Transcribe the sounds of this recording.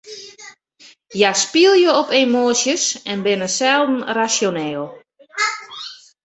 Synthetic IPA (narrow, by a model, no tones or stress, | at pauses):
jaspiəlˠjəopemoːsjəsɛnbɪnəsɛlˠdn̩rasjonɛːlˠ